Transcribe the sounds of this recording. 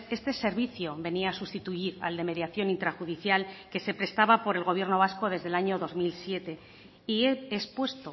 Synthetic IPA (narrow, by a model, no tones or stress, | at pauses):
e̞st̪e̞se̞ɾβiθjo̞βe̞niaːsust̪it̪uiɾa̰ld̪e̞me̞ðjaθjo̞nint̪ɾaxuðiθjalke̞se̞pɾe̞st̪aβapo̞ɾe̞lɣ̞o̞β̞je̞ɾno̞β̞asko̞ðe̞zðe̞laɲo̞ðo̞zmilsje̞t̪e̞ | ieːspwe̞st̪o